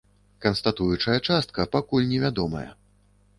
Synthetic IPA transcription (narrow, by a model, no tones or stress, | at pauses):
kɐnst̪at̪ujut͡ʂɐjɐt͡ʂast̪̚kɐpakulʲnʲɛvʲad̪ɔmɐ̰jɐ̰